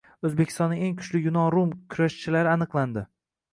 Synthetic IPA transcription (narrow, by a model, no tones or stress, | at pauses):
ɵzbekʲʰɪst̪ɒnːɪe̞ŋkʰʊ̥t͡ʃlɪjʊnɒɾumkʲʰʊɾaʃt͡ʃʰɪlaɾɪanɨqlˠand̪ɪ